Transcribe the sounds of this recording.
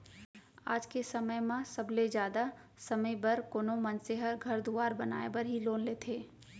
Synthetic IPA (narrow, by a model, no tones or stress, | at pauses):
a̰ːd͡ʒkesɐməjmãsɐbled͡ʒjaːd̪asɐməjbɐɾkoːnomɐ̃nseɦəɾɡʱɐɾd̪uaːɾbɐna̰ːebɐɾɦiloːnleːt̪ʰeː